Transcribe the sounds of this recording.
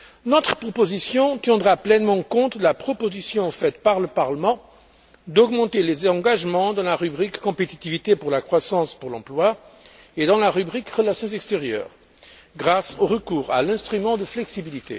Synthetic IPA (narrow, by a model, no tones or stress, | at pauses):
nɔt̪χəpχɔpozisjɔ̃t̪jɛ̃d̪ʁaplɛnmɑ̃kɔ̃t̪lapχɔpozisjɔ̃fɛt̪paʁləpaʁləmɑ̃ | d̪ɔɡmɑ̃t̪elezɑ̃ɡaʒmɑ̃d̪ɑ̃laʁybʁikːɔ̃pet̪it̪ivit̪epuʁlakχwasɑ̃spuʁlɑ̰̃plwa | ed̪ɑ̃laʁybʁikʁəlasjɔ̃zɛkst̪eʁjœ̰ːʁ | ɡʁasoʁəkuːʁa̰lɛ̃st̪χymɑ̃d̪əflɛksibilit̪ḛ